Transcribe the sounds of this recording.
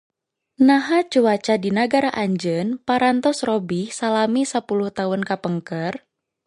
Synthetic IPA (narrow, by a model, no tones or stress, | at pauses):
naɦat͡ʃuwat͡ʃadinaɡaɾaʔaɲd͡ʒənpaɾant̪ɔsrɔbihsalamisapuluht̪aʊnkapəŋkər